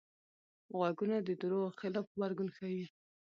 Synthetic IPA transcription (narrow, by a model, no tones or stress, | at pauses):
ɣwaɡunad̪əd̪uɾoxɪlɑfbaɾɡunxawi